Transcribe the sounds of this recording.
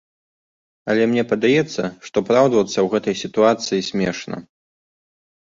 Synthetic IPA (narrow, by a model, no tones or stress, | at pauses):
ɐlʲɛmnʲɛpɐd̪ajɛt̪sːɐʂt̪ɔpɾawd̪vɐt̪sːɐwɣɛt̪ɐjsʲit̪uat̪sɨjisʲmʲɛʂnɐ̰